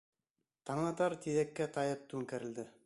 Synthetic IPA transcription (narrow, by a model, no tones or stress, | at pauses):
t̪ɑɴɑt̪ɑɾt̪iðækːæt̪ɑjɤp̚t̪ʉŋkæɾɘ̆ld̪ɘ